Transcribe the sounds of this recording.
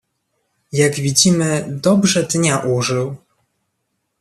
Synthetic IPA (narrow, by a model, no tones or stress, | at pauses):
jaɡvʲid͡ʑimɘd̪ɔbʐɛd̪ɲaʔuʐɘw